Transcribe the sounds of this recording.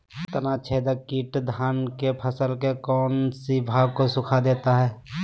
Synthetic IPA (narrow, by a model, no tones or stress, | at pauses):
t̪ənat͡ʃʰeːd̪əkːiːʈd̪ʱaːnkepʰəsəlkekɔːnsibʱaːɡkosʊkʰad̪eːt̪aɦɛː